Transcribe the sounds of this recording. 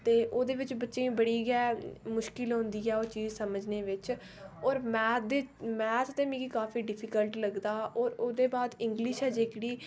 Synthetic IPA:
t̪eːʔoːd̪eːʋɪt͡ʃbətːʃẽĩːbəɽiːɡɛːmʊʃkɪlɦʊ̃ːnd̪iːɛːoːt͡ʃiːzsəməd͡ʒneːʋɪt͡ʃ | ɔːɾmɛ̃ːd̪eːmɛ̃ːt̪ʰt̪eːmĩːɡiːkaːfiːɖɪpʰiːkəlʈləɡd̪aːɔːɾoːd̪eːbaːd̪ɪ̃ŋɡlɪʃɛːd͡ʒeːkɽiː

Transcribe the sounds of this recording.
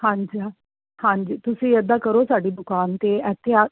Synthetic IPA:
hãɲd͡ʑi | hãɲd͡ʑiːt̪usẽːjəd̪ʱakəɾosaɽiːd̪ʊkaːnt̪eɛt̪ʰja

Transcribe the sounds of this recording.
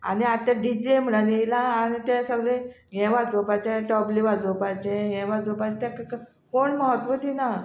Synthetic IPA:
a̰niat̪ːaɖid͡ʑem̤əɽanelaːñit̪ɛ̃səɡlejɛ̃ʋad͡zopajt͡ɕẽʈɔbliʋad͡zopajt͡ɕẽɦɛ̃ʋad͡zopat͡ɕet̪ɛ̃kk | koɳməɦət̪ʋət̪ina

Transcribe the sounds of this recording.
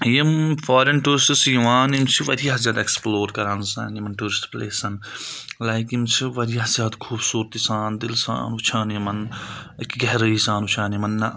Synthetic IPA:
jimfʰaːɾenʈuːɾɪsisjɐʋaːnimt͡ʃʰiʋɐd̪ijaɦɐzʲjaːd̪ɛeksploːɾkɐɾãːnsaːnimɐnʈuːɾɪsʈpleːsɐnlaːjkimt͡ʃʰiʋɐɾjaɦɐzjaːd̪kʰuːbsuːɾt̪isaːnd̪ɪlsa̰ːnʊt͡ʃʰaːnimɐnkɡɐɦɾəisãːnut͡ʃʰãːnjimɐnːɐ

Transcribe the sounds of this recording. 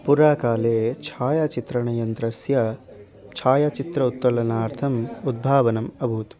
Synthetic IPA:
puɾaːkaːleːt͡ʃʰaːjɐt͡ʃit̪ɾɐɳɐjɐnt̪ɾɐsjɐ | t͡ʃʰaːjɐt͡ʃit̪ɾɐut̪ːɐlɐnaːɾt̪ʰɐmud̪̚bʱaːʋɐnɐmɐbʱuːt̪

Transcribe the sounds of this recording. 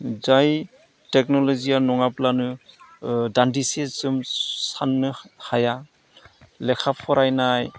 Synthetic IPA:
zaj | tɛk̚nɔlɔzianɔŋaplanɯ | dandisesɯmsanːɯhaja | lɛkʰapʰɔɾajnaj

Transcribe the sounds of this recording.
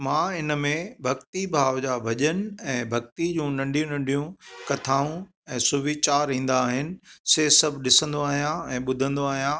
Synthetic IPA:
mãːɪnəmẽbʱɐkt̪ibʱaːʋd͡ʑaːbʱɐʄənɪ̆ɛ̃ːbʱɐk̚t̪id͡ʑũːnɐ̃ɳɖʱijũnɐ̃ɳɖʱijũkɐt̪ʰaːũ | ɛ̃ːsʊʋiːt͡ɕaːɾĩːn̆d̪aːɦɪnɪ̆seːsɐbʱɗɪsə̃nd̪oaːɦijãɛ̃ːɓʊd̪ʱə̃nd̪oaːɦijã

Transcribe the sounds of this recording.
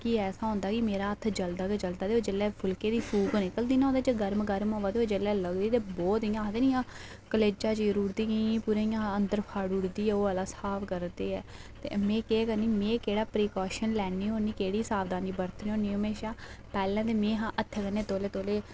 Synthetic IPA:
kiːɛːsaːɦʊ̃ːnd̪aːkɪmeːɾaːət̪ʰd͡ʒəld̪aːked͡ʒəld̪aːd̪eːoːd͡ʒelɛːpʰʊlkeːd̪iːpʰuːkːnɪkəld̪iːnãõːnd̪aːt͡ʃəɡəɾmɡəɾmoːʋaːd̪eːɦoːd͡ʒelɛːləɡd̪iːt̪eːbɔːt̪ijãːd̪eːnijãː | kəleːd͡ʒaːd͡ʒːɾuːɾd̪iːkĩpuːɾẽːijãːənd̪əɾpʰaːɽʊɽd̪iːɛːoːaːlaːsaːpkəɾd̪eːɛːt̪ḛːmɛ̃ːkeːkəɾniːmɛ̃ːkeːɽaːpɾiːkɔːʃənlɛːniːɦoːniːkeːɽiːsaːʋd̪aːniːbəɾt̪niːoːniːɦəmeːʃaːpɛːlɛ̃ːt̪eːmẽːɦãːʔət̪ʰːɛːkəneːt̪oːleːt̪oːleː

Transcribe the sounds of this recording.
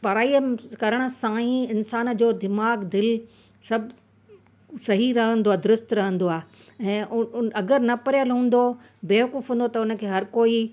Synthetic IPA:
pɐɾaːiəmkɐɾəɽ̃ə̆sãːĩɪnsaːnd͡ʑoːd̪ɪmaːɡd̪ɪl | sɐbʱ | sɐɦiɾɐɦə̃nd̪oaːd̪ʊɾʊst̪ɾɐɦə̃nd̪oaːɦ | ɛ̃ːʔʊɐɡəɾnɐpɐɾjəlɦũːn̆d̪o | beːʋkuːfɦũːnd̪ot̪ɐʊnə̆kʰeːɦɐɾkoːi

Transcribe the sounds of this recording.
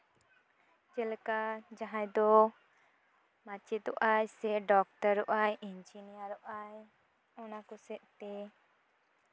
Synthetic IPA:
d͡ʒɛlkad͡ʒaɦãjd̪ɔ | mat͡ʃit̪ɔ̰ʔajsɛɖɔk̚təɾɔʔajind͡ʒinijaɾɔʔaj | ɔnakɔsɛʔt̪ɛ

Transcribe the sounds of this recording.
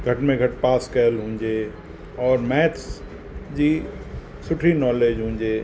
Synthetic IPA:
ɡʱɐʈmẽɡʱɐʈpaːskɛəlɦũːɲd͡ʒeː | ɔːɾmɛːt̪ʰs | d͡ʒiː | sʊʈʰinɔːleːd͡ʒɦũːɲd͡ʒeː

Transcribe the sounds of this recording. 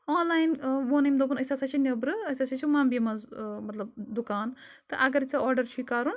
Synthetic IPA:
oːnlaːjinʋonɐjmd̪obunɐsasat͡ʃʰinʲɐbɾɨɐsasat͡ʃʰumambimɐzmɐt̪lɐbd̪ukaːn | t̪ɨʔɐɡɐɾt͡saɔɾɖɐɾt͡ʃʰikaːɾun

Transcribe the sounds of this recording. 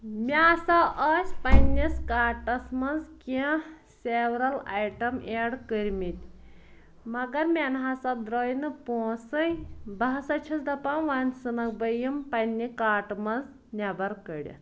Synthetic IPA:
mʲaːsɐʔɐːsʲpɐnʲːiskaːʈɐsmɐnzkʲi | seːwɾɐla̰jʈɐmeːɽkəɾʲmit̪ʲ | mɐɡɐɾmʲenɦasɐd̪ɾoːjnɨpoːsɨjbɐɦɐsɐt͡ʃʰisd̪ɐpãʋaːnʲsɨnɐk̚bɐjimpɐnʲːikaːʈmɐnz | nʲɐbɐɾkəɽʲḭ

